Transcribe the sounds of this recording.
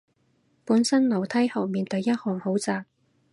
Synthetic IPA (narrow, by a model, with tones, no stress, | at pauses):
puː˨˥nsɐ˥nlɐ˨˩wt̪ʰɐ˥jhɐ˨˩wmiː˨nt̪ɵ˨˧ɥjɐ˥t̚hɔː˨˩ŋho˨˥wt͡saː˧k̚